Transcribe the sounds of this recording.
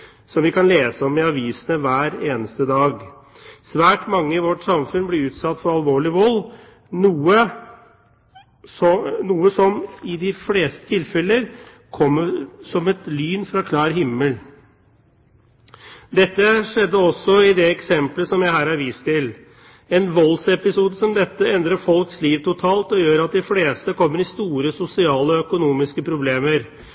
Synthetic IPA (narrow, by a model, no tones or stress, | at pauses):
sɔmʋɪkʰɑnleːsəɔmːɪɑʋiːsənəʋæːɾeːnəst̪əd̪ɑːɡ | sʋæːʈmɑŋːəɪʋɔʈsɑmfʉnblɪʉːt̪sɑt̪ːfɔɾɑlʋoːɭɪʋɔlː | nuːə | sɔnuːəsɔmɪd̪ɪfleːst̪ə̥t̪ʰɪlfɛləɾ | kʰɔmːəsɔmɛt̪lyːnfɾɑkʰlɑːɾɦɪmːəl | d̪ɛt̪ːəʂɛd̪ːəɔsːɔɪd̪ɛɛksɛmpləsɔmjæɪhæːɾhɑɾʋiːst̪ʰɪl | ɛnʋɔlsɛpɪsuːd̪əsɔmd̪ɛt̪ːəɛnd̪ɾəfɔlksliːʋt̪ʊt̪ʰɑːlt̪ɔjøːɾɑt̪̚d̪ɪfleːst̪əkʰɔmːəɾɪst̪uːɾəsʊsɪɑːləɔœkʊnuːmɪskəpʰɾʊbleːməɾ